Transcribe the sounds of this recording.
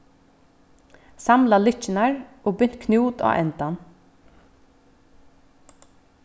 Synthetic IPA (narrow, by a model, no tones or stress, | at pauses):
samlalɪt͡ʃɪnaɹ | oːbʏn̥t̪kʰnjuːt̪a̰ʔɛ̰nt̪an